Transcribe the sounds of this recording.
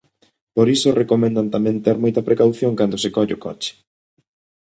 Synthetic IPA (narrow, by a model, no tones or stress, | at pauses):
poɾisʊrekomɛ̃nd̪ant̪amɛ̃nt̪eɾmɔjt̪ɐpɾekawθjoŋkand̪ʊsɪkɔʎɪʊkɔ̰t͡ʃɪ̥